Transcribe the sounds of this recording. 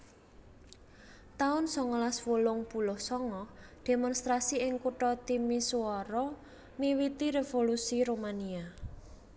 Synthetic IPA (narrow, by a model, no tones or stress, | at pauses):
t̪aʊnsɔŋɔlaswulʊŋpulʊhsɔŋɔd̪̥e̤mɔnst̪ɾasiɪŋkuʈɔt̪imisuɔɾɔ | miwit̪iɾevolusiɾomania